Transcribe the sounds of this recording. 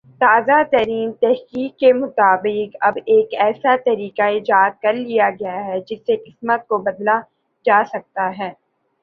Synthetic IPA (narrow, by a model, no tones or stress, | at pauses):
t̪aːzat̪ɐɾiːnt̪ɛɦkiːkːemʊt̪aːbɪkɐbeːkɛːsat̪ɐɾiːkaɪd͡ʒaːd̪̚kɐɾlijaɡɐjaɦɛd͡ʒɪsːeqɪsmət̪̚kobɐd̪la | d͡ʒaːsɐk̚t̪aɦɛː